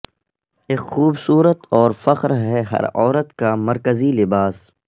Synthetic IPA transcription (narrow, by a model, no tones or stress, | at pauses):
eːkxuːbsuːɾət̪ɔːɾfɐqɾɦɛɦɐ̰ɾɔːɾət̪kamɐɾkəzilɪbaːs